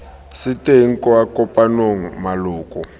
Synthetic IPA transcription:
siteiŋ̩kʼɔakʼɔpʼanoŋ̩maluːkʼɔ

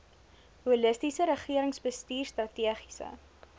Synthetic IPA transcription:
huləstisəɾəχiəɾəŋsbəstiːrstrɐtiəχi̥sə̰

